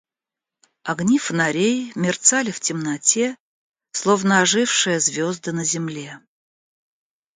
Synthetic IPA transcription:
ɐɡnʲifənɐɾʲejmʲɪrt̪salʲɪftʲɪmnɐtʲe | slˠovnəːʐɨfʂɨjəzvʲozd̪ɨnəzʲɪmlʲe̞

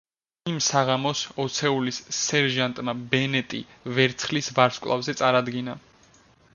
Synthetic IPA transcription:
imsaʁamɔsɔt̪sʰɛulisːɛɾʒant̪ʼmabɛnɛt̪ʼḭ | vɛɾt̪sʰχlisvaɾskʼlˠa̰vzɛt̪sʼaɾad̪ɡina

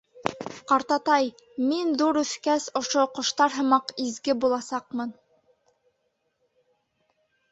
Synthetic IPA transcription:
qɑɾt̪ɑt̪ɑj | minðuɾɵ̆θkæsŏʃoqŏʃt̪ɑɾɦɤ̆mɑqizɡɘbulˠɑsɑq̚mɤn

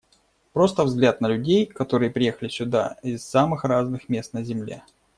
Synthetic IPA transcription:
pɾo̞st̪əvzɡlʲat̪nəlʲʉdʲejkɐt̪o̞ɾɨjəpɾʲɪjexəlʲɪsʲʊd̪a̰ɪsːamɨxraznɨxmʲe̞st̪nəzʲɪmlʲḛ

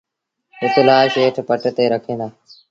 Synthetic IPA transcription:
ʊt̪laːʃeːʈʰpəʈt̪eːɾəkʰẽːd̪aː

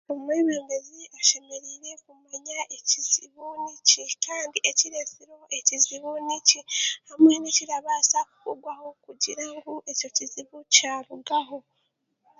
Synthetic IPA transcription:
omweβeːmbeziʔaʃe̞meɾiɾe̞kumaɲaʔeciz̥iβunicikaːndiʔeciɾe̞siɾo̞ʔeciziβunicihamweniciɾaβaːsaku̥kuɡwaho̞kuɟiɾaŋɡuʔe̞co̞ciziβucaːɾuɡaɦo̞

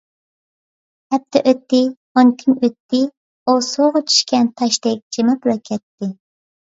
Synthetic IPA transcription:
hɛp̚t̪ʰːɛʔøt̪ːɪ | onkʲʰimøt̪ːɪ | osoʁɑt͡ʃʰy̥ʃkʲʰɛnt̪ʰɑʃd̪ɛk̚ʲd͡ʒemɑplˠɑkʲʰɛt̪ːɪ

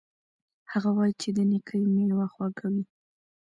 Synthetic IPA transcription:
haɣawɑjit͡ʃed̪ənikʰəjmeɽwaxwaɡawi

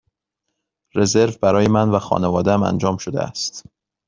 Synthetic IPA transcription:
re̞ze̞ɾvbæɾɒːje̞mænvæxɒ̰ːnevɒːd̪eæmæ̰nd͡ʒɒːmʃod̪ḛʔæ̰st̪

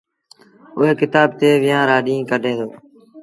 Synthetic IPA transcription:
ʊɦeːkɪt̪aːb̚t̪eːʋɪjãːɾaːɗĩːkəɖʱẽːd̪oː

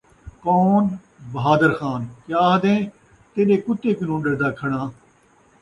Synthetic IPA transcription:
koːn | bəɦaːd̪əɾxaːnkjaːɦəd̪ẽː | t̪eːnẽːkʊt̪ːeːkɪnõːɖəɾd̪aːkʰəɽãː

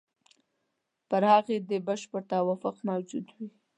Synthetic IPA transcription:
pəɾhɑɣed̪əbaʃpəɾt̪awafʊqmawd͡ʒud̪wi

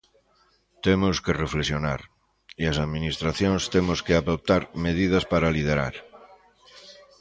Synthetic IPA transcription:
t̪emʊskereflesjonaɾ | iɐsaðminist̪ɾaθjõŋst̪emʊskeaðop̚t̪aɾmeð̞ið̞ɐspaɾalið̞eɾa̰ɾ

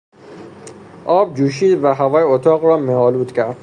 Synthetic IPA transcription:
ʔɒːb̚d͡ʒuːʃ̬iːd̪væɦævɒːjeot̪ʰɒːɣɾɒːmeɒːluːt̪cʰæɾd̪̥

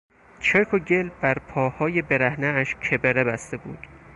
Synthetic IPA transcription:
t͡ʃʰekʰoɟelbæɾpʰɒːhɒːje̞be̞ɾæhneæʃkʰe̞beɾebæst̪e̞bṵːd̪̥

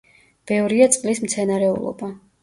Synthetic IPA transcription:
b̥ɛvɾiat̪sʼqʼlismt̪sʰɛnaɾɛṵlˠɔ̰ba

